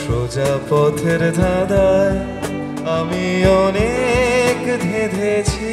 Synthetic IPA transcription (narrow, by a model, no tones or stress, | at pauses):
ʃod͡ʒapɔt̪ʰeɾd̪ʱad̪aj | amiɔnekd̪ʱed̪ʱet͡ɕʰi